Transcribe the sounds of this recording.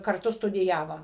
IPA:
kɐrˈtʊ stʊdʲɪˈjæːʋoːm

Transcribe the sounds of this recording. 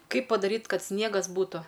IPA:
ˈkɐɪp pɐdɐˈrʲiːtʲ ˈkɐt ˈsʲnʲiɛɡɐs ˈbuːtʊ

